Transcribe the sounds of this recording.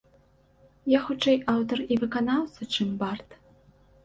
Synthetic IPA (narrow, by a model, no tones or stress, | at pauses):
jaxut͡ʂɛjʔawt̪ɔrivɨkɐnawsɐʈ͡ʂɨmbart̪